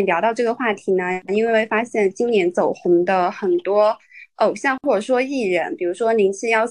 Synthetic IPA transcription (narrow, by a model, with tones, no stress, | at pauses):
ljɑ˧˥ʊt̪ɑ˥˧ʊʈ͡ʂɤ˥˩ɡə˩xwa˥˩t̪ʰi˧˥nə˧i˥nwe˥˧ɪwe˥˩ɪfa˥ɕjɛ˥˩nt͡ɕi˥ŋnjɛ˧˥nt͡so˨˩ʊxʊ˧˥ŋd̪ə˧xə˨˩nt̪wɔ˥o˨˩ʊɕjɑ˥˧ŋxwɔ˥˩ʈ͡ʂə˨˩ʂwɔ˥i˥˩ɻə˧˥npi˨˩ɻu˧˥ʂwɔ˥ni˧˥nɕ̩˥˧jɑ˥˧ʊ